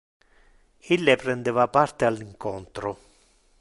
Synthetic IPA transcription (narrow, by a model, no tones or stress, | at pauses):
ilːepɾɛnd̪evapart̪ealːiŋkɔnt̪ɾʊ